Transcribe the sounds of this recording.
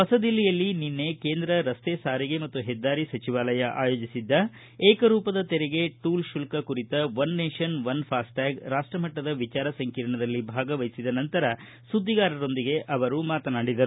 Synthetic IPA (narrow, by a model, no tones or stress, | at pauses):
pɐsɐd̪ilːijɐlːininːekeːnd̪ɾɐɾɐst̪eːsaːɾiɡemɐt̪ːuɦɛd̪ːaːɾisɐt͡ʃiʋaːlɐjɐʔa̰ːjo̞ːd͡ʒisid̪ːɐ | eːkɐɾuːpɐd̪ɐt̪ɛɾeɡe̞ʈuːlʃulkɐkuɾit̪ɐʋɐnːeːʃɐnʋɐnpʰaːsʈaːɡɾaːʂʈɾɐmɐʈːɐd̪ɐʋit͡ʃaːɾɐsɐŋkiːɾɐɳɐd̪ɐlːibʱaːɡɐʋɐjsid̪ɐnɐnt̪ɐɾɐ | sud̪ʱːiɡaːɾɐɾo̞nd̪iɡe̞ʔɐʋɐɾumaːt̪ɐnaːɽid̪ɐɾu